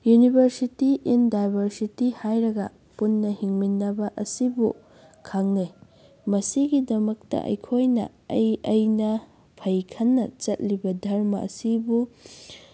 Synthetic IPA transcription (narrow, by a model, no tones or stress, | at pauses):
junibʱɐɾsitiʔindajbʱɐɾsitihajɾɐɡɐ | punːɐhiŋminːɐbɐʔɐsibu | kʰaŋni | mɐsiɡidɐmɐk̚tɐ̰ʔɐ̰jkʰojnɐ̰ | ɐjɐjnɐ | pʰɐjkʰɐnːɐ̰t͡ʃɐt̚libɐdʱɐɾmɐ̰ʔɐ̰sibu